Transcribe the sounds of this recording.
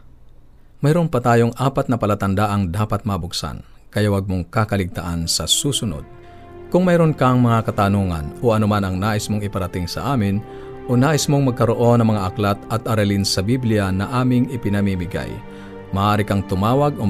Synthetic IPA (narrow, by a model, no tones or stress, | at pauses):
mɐjɾonpɐt̪aːjoŋʔaːpat̪nɐpɐlat̪ɐnd̪aʔɐŋd̪aːpat̪̚mɐbʊksa̰n | kɐjawaɡ̚moŋkakɐlɪɡ̚t̪aʔansɐsuːsʊno̰d̪̥̚ | kʊŋmɛjɾonkaŋmɐŋakɐt̪anuːŋɐ̰noɐnʊmanɐŋnaːʔɪsmoŋɪpɐɾɐt̪ɪŋsɐ̰ʔaːmɪn | ʔonaːʔɪsmoŋmɐɡ̚kɐɾoʔo̞nɐŋmɐŋaʔɐklat̪ɐt̪ɐɾalinsɐbiblɪjanɐʔaːmɪŋɪpɪnɐmimɪɡa̰j | mɐʔaːɾɪkaŋt̪ʊmaːwɐɡo